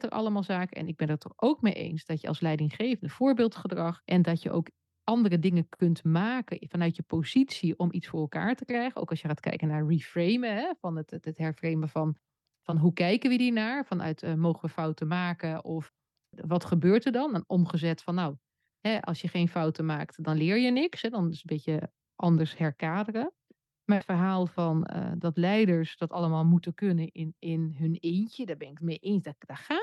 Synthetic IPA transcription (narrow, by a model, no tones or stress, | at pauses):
təɹʔɑ̰lˠəmaːlˠzaːkəɛ̰nɪɡ̚bɛnəɹtɔχowkmejʔḛjnsd̥ɑtjə̰lˠslɛjdɪŋχejvəndəfʊːɹbɪːlˠtχədrɑχʔɛndɑtjə̰ʔo̰wk | ʔɑndərədɪŋəkɵntmaːkəfɑnœɥtjəpozitsiʔɔmitsfʊːɹɛlˠka̰ːɹtəkrɛjχəno̰wkɑlˠsjəχaːtkɛ̰jkənaːɹrifrejməɦɛfɑnətətɦɛɹfrejməvɑn | fɑnɦukɛjkənʋəiːɹnaːɹfɑnʔœ̰ɥtmowχəʋəfɔwtəmaːkəʔɔf | ʋɑtχəbøːɹtəɹdɑnnʔɔmχəzɛtfɔnːaw | hɛʔɑ̰lˠsjəχeːnfɔwtəmaːktdɔnlɪːɹjənɪksɦɛdɔnɪsəbɪtə | ʔɑndəɹshɛɹkaːdərə | matfəɹɦaːlˠfɑnə̰dɑtlɛjdəɹsd̥ɑtɑləmaːlˠmutəkønənɪnɪnɦɵneːntədaːbɛnɪkmɪʔeːnsdd̥aχaː